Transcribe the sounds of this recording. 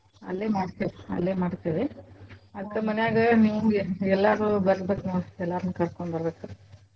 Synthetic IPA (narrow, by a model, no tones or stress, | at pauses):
ɐ̰lːeːmaːɖt̪iʋiɐ̰lːeːmaːɖt̪iʋi | ɐd̪ɐkːɐmɐnejaːɡɐniːʋuɛlːaɾubɐɾsbeːkːnoːɽiɛlːaːɾunːukɐɾkoɳbɐɾbeːku